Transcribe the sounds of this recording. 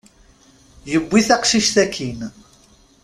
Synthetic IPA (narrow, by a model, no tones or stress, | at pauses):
jəbʷːiθaqʃiʃθækʰːin